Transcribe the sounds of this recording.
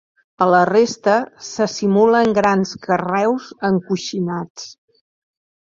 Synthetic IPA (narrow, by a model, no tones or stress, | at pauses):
ələrest̪əsəsimuləŋɡɾanskərɛwzəŋkuʃinat͡s